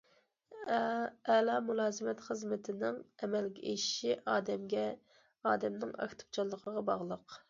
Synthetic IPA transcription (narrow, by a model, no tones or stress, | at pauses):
ɛlˠɑmulˠɑːzɪmɛt̪χəzmɪt̪ʰɪnɪŋɛmɛlɡʲɛʔeʃi̥ʃiʔɑːd̪ɛmɡʲɛ | ɑːd̪ɛmnɪŋɑ̰kt̪ʰu̥p̚t͡ʃʰɑlˠːəqʰəʁɑbɑʁlˠəq